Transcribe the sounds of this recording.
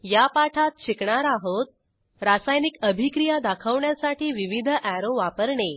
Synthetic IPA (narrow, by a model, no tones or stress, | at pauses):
japaʈʰat̪̚ɕikɳaɾaɦot̪̚ | ɾasajnikəbʱikɾijad̪akʰəʋɳjasaʈiːʋiʋid̪ʱəʔæɾõʋapəɾɳe